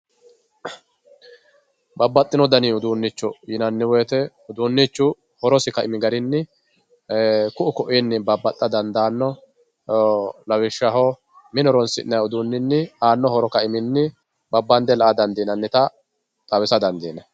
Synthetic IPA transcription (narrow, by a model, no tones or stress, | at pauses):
bɐbːɐt̪ʼːɪnɔd̪ɐniːʊd̪uːnːɪt͡ʃːʊjɪnɐnːɪwɛːt̪ɛ | ʊd̪uːnːɪt͡ʃːʊ | hɔɾɔsɪkɐɪmɪɡɐɾɪnːɪ | kʊʔʊkɔʔinːɪbɐbːɐt̪ʼːɐd̪ɐnd̪aːnːɔ | lɐwɪʃːɐɦɔ | mɪnɔɾɔnsɪ̰nːɐjʊd̪uːnːɪnːɪaːnːɔhɔɾɔkɐɪmɪnːɪ | bɐbːɐnd̪ɛlɐʔad̪ɐnd̪iːnɐnːɪt̪ɐ | t̪ʼɐwɪsɐd̪ɐnd̪iːnɐ